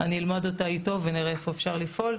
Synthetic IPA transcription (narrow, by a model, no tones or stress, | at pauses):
aniːlmadotaito̞veniʁeefo̞efʃaʁlifʔo̞l